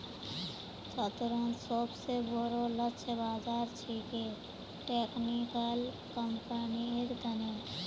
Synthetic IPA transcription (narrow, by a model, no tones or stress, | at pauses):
sət̪ʊɾə̃nsoːbseboɾolət͡ʃʰbaːd͡ʒaːɾt͡ʃʰiːke | ʈeːknikəl | kəmpəniɪɾd̪ʱəne